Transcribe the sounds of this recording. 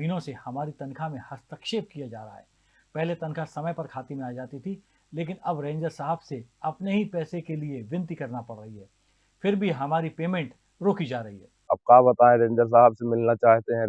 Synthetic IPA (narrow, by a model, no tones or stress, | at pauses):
iːnõsehɐmaːɾit̪ɐ̃nkʰamẽhɐst̪əkʃeːb̚kijad͡ʒa̰ːɾɐa̰ɦɛ̰ː | pɛɦlet̪ɐ̃nkʰasɐməjpɐɾkʰaːt̪imẽaːd͡ʒaːt̪it̪ʰi | leːk̬ɪnɐbɾẽːɲd͡ʒəɾsaːɦəbseɐpneɦipɛːsekelieʋɪ̃nt̪ikɐɾnapɐɽːɐɦiɦɛː | fɪɾbʱiɦɐmaːɾipeːmẽɳʈ | ɾoːkid͡ʒaːɾɐɦiɦɛ̰ːɐb̚kaːbɐt̪aːẽɾẽːɲd͡ʒəɾs̬aːɦəbsemɪlnat͡ʃaːɦt̪eɦɛ̃